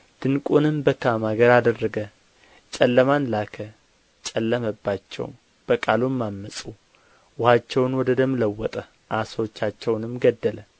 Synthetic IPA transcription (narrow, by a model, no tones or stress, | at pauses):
d̪̥ɨnkʼunɨmbəkʰamaɡəɾad̪ərːəɡə | t͡ʃʼɛlːəmanlakʰə | t͡ʃʼɛlːəməbːat͡ʃːɛ̰w̰ | b̥əkʼalumːamːəsʼu | wʊhat͡ʃːɛwnwɔd̪əd̪əmləwːɔt̪ʼə | ʔasəwot͡ʃːat͡ʃːɛwnɨmɡəd̪ːələ